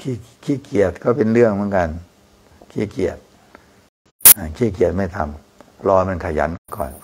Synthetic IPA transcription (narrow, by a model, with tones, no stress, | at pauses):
kʰiː˥˩kʰiː˥˩ki˨˩ət̪̚kɔː˥˩pe˧nɾɯ˥˩əŋmɯ˨˦ənka˧n | kʰiː˥˩ki˨˩ət̪̚ | ʔa˧˩kʰiː˥˩ki˨˩ət̪̚ma˥˩jt̪ʰa˧m | pʰlɔː˧jma˧nkʰa˧˩ja̰˨˦˥nkːkɔ̰ː˨˩n